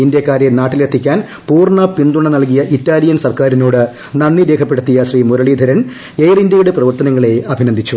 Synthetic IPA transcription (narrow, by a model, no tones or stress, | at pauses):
ind̪jɐkːaːɾjenaːʈːilet̪ːikʲːaːn | puːrɳɐpind̪uɳɐnɐlk̬ijɐʔitːaːlijɐnsɐrkaːɾinoːɽɨ | nɐnːiɾe̞ːkʰɐpːeɽut̪ːijɐɕriːmuɾɐɭiːd̪ʱɐɾɐn | ejrindjɐjuɽeprɐʋɐrt̪ɐnɐŋːɐɭe̞ɐbʱinɐnd̪ʱit͡ɕːu